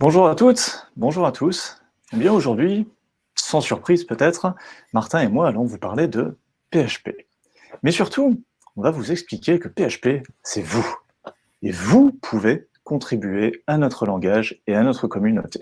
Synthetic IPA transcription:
b̥ɔ̃ʒuʁat̪ut̪bɔ̃ʒuʁat̪ʰus | ebjɛ̃oʒuʁd̪ɥi | sɑ̃syʁpχizpøt̪ɛt̪χmaʁt̪ɛ̃emwaːlɔ̃vupaʁled̪ə | peaʃpḛ | mɛsyʁt̪ʰu | ɔ̃vavuzɛksplikʲekəpeaʃpesɛvu | evupʰuve | kɔ̃t̪χibyeanɔt̪χəlɑ̃ɡaʒeanɔt̪χəkɔmyno̰t̪e̥

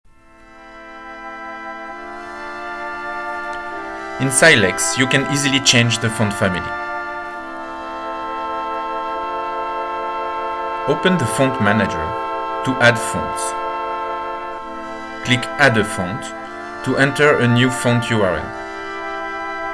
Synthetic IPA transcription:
ɪ̃nsaɪdlɛksjukɛ̃nʔizilit͡ʃẽɪ̃nd͡ʒðəfõndfæmilḭ | oʊpə̃nðəfɔ̃ntmænad͡ʒə̰˞tuʔædfɔ̰̃nts | klɪkad̪əfõʊ̃nt | tːuʔɛ̃ntə˞ənjufɔ̃ntʰjuaɹɛ̰l

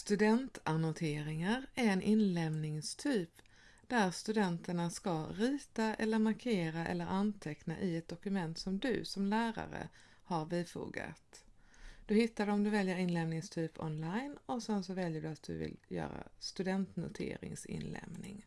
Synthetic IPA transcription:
st̪ɵd̪ɛnt̪anʊt̪ʰeːɾɪŋaɾæɾɛnʔɪnlɛvnɪŋst̪ʰyːp | d̪̥æɾst̪ɵd̪ɛnt̪əɳaskaɾiːt̪aʔɛlːəɾmaɾkʰeːɾaʔɛ̰lːəɾʔant̪ʰɛknaʔɪɛt̪̚d̪ɔkɵmɛnt̪sɔmd̪ɵ̰sɔmlæːɾa̰ɾə̰ | haɾviːfṵːɡa̰t̪ | d̪̥ɵhɪt̪ːad̪ɛɔmd̪ɵvɛljəɾɪnlɛmnɪŋst̪ʰyːpʰɔ̰nlajnɔsɛnsɔvɛljəɖɵat̪̚d̪ɵ̰vɪ̰ljœ̰ːɾa̰st̪ɵd̪ɛnt̪nʊ̰t̪ʰḛːɾɪ̰ŋsɪ̰nlɛ̰mnɪŋ

